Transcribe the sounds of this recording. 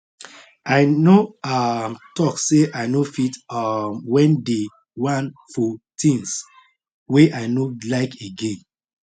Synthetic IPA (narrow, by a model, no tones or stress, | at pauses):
aɪnoamtɔkseʔaɪnofitamwɛ̃nde | wãnfɔtĩŋs | weʔaɪnolaɪkeɡẽn